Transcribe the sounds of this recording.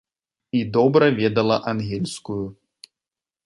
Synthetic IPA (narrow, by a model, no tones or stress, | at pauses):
id̪ɔbɾɐvʲɛd̪ɐlˠɐʔanɣʲɛlʲskuju